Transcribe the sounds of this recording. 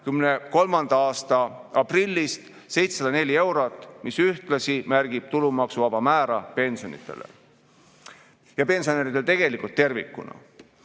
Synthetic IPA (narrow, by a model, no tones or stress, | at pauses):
kymneko̞lmɑnd̪̥ɑɑːst̪ɑɑprilʲːist̪ | se̞jt̪sesɑd̪ɑne̞lʲie̞wɾo̞t̪ːˑmisyht̪lɑsimærɡ̥ib̥̚t̪ulumɑksuvɑb̥ɑmæːɾɑpe̞nsio̰nḭt̪ːˑe̞̰lḛ | jɑpe̞nsioneɾit̪et̪e̞ɡe̞likult̪ːe̞rvikːˑṵnɑ̰